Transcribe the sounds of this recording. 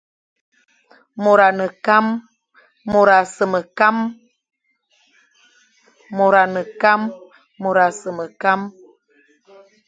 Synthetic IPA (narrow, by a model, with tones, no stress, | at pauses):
mo˨ɾa˨nə˨ka˦mː | o˨ɾa˨sə˨mə˨ka˦m | mo˨ɾa˨nə˨ka˦mː | o˨ɾa˨sə˨mə˨ka˦m